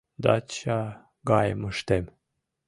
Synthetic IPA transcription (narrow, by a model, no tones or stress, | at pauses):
d̪ɑ̰t͡ɕɑ | ɡɑjə̰məʃt̪em